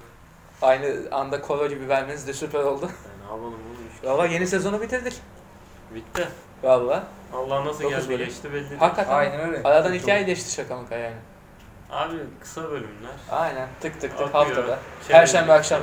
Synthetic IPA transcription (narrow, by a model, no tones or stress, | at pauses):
ajnɯand̪akʰo̞lˠoɟibibælʲmenizd̪ɛsypæɾo̞lˠd̪ʊanavalˠɯmolˠʃvalˠːaje̞nisezo̞nubit̪ʰiɾd̪iɾ̥ | bit̪ːɛ | alˠːa | alˠːaːnasouzbølʲyɛʃt̪ibɛlʲːihakːat̪ʰajnɛnɛaɾad̪anicʰaːjelʲɛʃt̪ʰi̥ʃakʰamakajaɾnɛ | a̰ːbikʰɯ̥sabølʲymlʲæɾ̥a̰jnænt̪ʰɯkt̪ʰɯkt̪ɯkhafft̪ʰad̪ahæɾʃænbiakʃam